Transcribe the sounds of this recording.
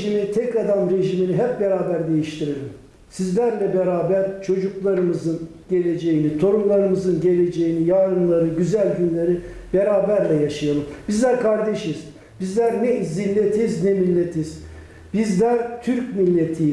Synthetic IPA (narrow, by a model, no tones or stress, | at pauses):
ʒiminit̪ʰɛkad̪amɾe̞ʒiminiɦɛp̚beɾaːbæɾd̪e̞jiʃt̪ʰiɾelʲim | sizlʲæɾlʲɛbeɾaːbæɾt͡ʃʰo̞d͡ʒuklˠaɾɯmɯzɯn | ɟ̥e̞lʲe̞d͡ʒe̞jinit̪ʰo̞ɾumlˠaɾɯmɯzɯnɟe̞lʲe̞d͡ʒejinijaːɾɯnlˠaɾɯɟyzælʲɟynlʲeɾib̥eɾaːbæɾlʲɛjaʃajalˠɯmbizlʲæɾkʰaɾd̪eʃiz̥ | b̥izlʲæɾnɛzinːet̪ʰiznɛmilʲːet̪ʰiz̥ | b̥izlʲæɾt̪ʰyɾcmilʲːe̞t̪ʰi